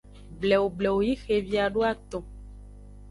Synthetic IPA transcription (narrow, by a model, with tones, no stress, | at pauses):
blɛ˨wo˨blɛ˨wo˨ji˦xe˨vi˨a˨ɖo˦a˦t̪ɔ̃˨